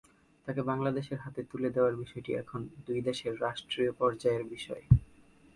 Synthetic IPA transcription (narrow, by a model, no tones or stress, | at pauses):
t̪akebaŋlad̪eʃeɾɦat̪et̪uled̪eoaɾbiʃɔeʈiɛ̰kʰond̪ujd̪eʃeɾːaʃʈɾiopɔɾd͡ʑaeɾbiʃɔe